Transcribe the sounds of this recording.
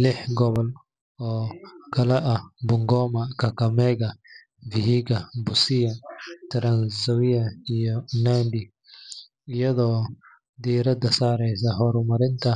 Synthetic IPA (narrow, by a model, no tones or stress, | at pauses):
lɪħɡɔβɔl | ɔːkʰɐlɛʔɐhbʊŋɡɔːmɐkʰɐkʰɐmɛɣɐ | vɪhiɡɐbʊsɪjɐt̪ʰɐɾɐnsɐwɪjɐijɔnaːnd̪ɪ | ɪjɐðɔː | d̪iːɾɐd̪ɐsaːɾɛjs̬ɐɦɔɾʊmɐɾɪnt̪ʰɐ